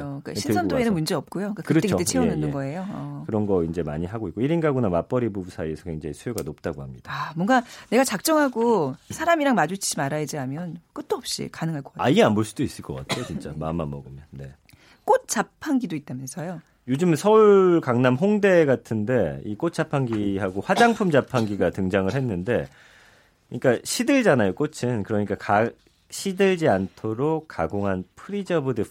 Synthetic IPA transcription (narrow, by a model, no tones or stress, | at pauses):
ok͈a̰ɕʰisʰʌtʰoenɯnmund͡ʑe̞ʌp̚k͈ujok͈akɯɾʌtet͡ɕkt͈et͡ɕʰeonɯndɯnɡʌe̞joʌkɯɾʌnɡʌind͡ʑe̞ma̰ɲiɦaɡoik͈oiɾinɡaɡunamap͈ʌɾibubusʰaiesʰʌkwe̞ŋd͡ʑa̰ŋisʰujoɡanop̚t͈aɡohamɲid̥aamwʌŋɡane̞ɡat͡ɕak̚t͡ɕ͈ʌŋɦaɡosʰaɾamiɾaŋmad͡ʑut͡ɕʰimaɾajed͡ʑiɦamjʌnk͈ot̚t͈oʌp̚ɕ͈ḭkanɯŋɦaɭk͈ʌ̥kaaianboɭs͈udois͈ɯɭk͈ʌk͈a̰tʰejot͡ɕint͡ɕ͈amamːa̰mːʌɡɯmone̞ | k͈ot̚t͡ɕ͈apʰaŋɡidoit͈̚amunes͈ʌjo | jod͡ʑɯmsʰʌukaŋnamɦoŋde̞ɡatʰɯnde̞ḭk͈ot̚t͡ɕ͈apʰaŋɡiɦaɡoɸwad͡ʑaŋpʰumd͡ʑapʰaŋɡiɡatɯŋd͡ʑaŋɯɭɦe̞nːɯnde̞ | kɯɲik͈aɕʰidɯɭd͡ʑanajok͈ot͡ɕʰɯnkɯɾʌɲik͈aka | ɕʰidɯɭd͡ʑiantʰoɾokkk͈ːaɡoŋɦanpʰɯɾid͡ʑʌbude